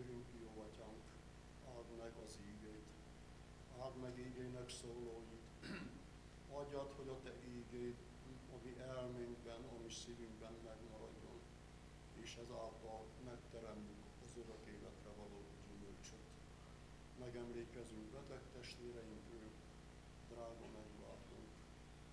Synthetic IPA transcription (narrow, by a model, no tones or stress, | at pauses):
øɾyŋkjoːɒcaŋk | aːd̪mɛɡɒziːɡejt̪ | aːd̪mɛɡiːɡejnɛksoːloːjit̪ | ɒɟɒt̪ho̞ɟɒt̪ɛʔiːɡejt̪ | ɒmiʔɛlmeːŋɡbɛnɒmisivyŋɡbɛnmɛɡmɒɾɒ̰ɟːo̞̰n | eːʃɛzaːlt̪ɒl | mɛkt̪ɛɾɛmt̪yk | ɒzøɾɒt̪eːlɛt̪rɛvɒloːɟymølt͡ʃøt̪ | mɛɡɛmleːkɛzyŋkbɛt̪ɛkt̪ɛʃt̪ʋeːɾɛjiŋkøːk | d̪raːɡɒmɛɡla̰ːt̪uŋk